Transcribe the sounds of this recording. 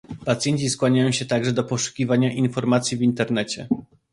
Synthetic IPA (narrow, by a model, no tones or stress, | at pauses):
pat̪sʲjɛɲʲt͡ɕiskwaɲajɔ̃ɕɛt̪aɡʐɛd̪ɔpɔʂu̥kʲivaɲaʔinfɔɾmat̪sʲjivʲint̪ɛɾnɛt͡ɕɛ̰